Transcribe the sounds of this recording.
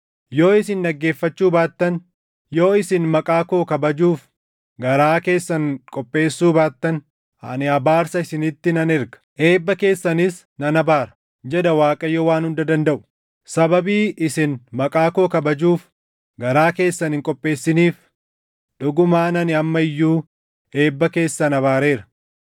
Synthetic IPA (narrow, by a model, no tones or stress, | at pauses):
jo̞ːɪs̬ɪnᶑɐɡːe̞ːfːɐt͡ʃːuːbaːt̪ːɐn | jo̞ːɪsɪnmɐkʼaːko̞ːkɐbɐd͡ʒuːf | ɡɐɾaːke̞ːsːɐŋkʼɔpʼːe̞ːsːuːbaːt̪ːɐn | ɐ̰nɪɐbaːɾsɐɪsɪnɪt̪ːɪnɐnɪɾɡɐ̥ʔe̞ːbːɐke̞ːsːɐnɪs | nɐnɐbaːɾɐ̥ | d͡ʒɛd̪ɐwaːkʼɐjoːwaːnhʊnd̪ɐd̪ɐnd̪ɐʔʊ̥ | sɐbɐbiːɪsɪnmɐkʼaːkoːkɐbɐd͡ʒuːf | ɡɐɾaːke̞ːsːɐnhɪŋkʼɔpʼːe̞ːsːɪniːf | ᶑʊɡʊmaːnɐnɪɐmːɐɪjːuː | e̞ːbːɐke̞ːsːɐnɐbaːɾe̞ːɾɐ̥